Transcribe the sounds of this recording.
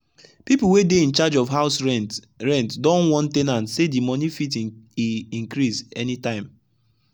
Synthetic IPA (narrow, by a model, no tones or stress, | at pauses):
pipl̩wedeĩnt͡ʃad͡ʒɔfɦaʊsɛ | ɹɛ̃ntdɔ̃nwɔ̃ntenãntsedimɔ̃nifit | ĩŋkɾisɛnitãɪ̃m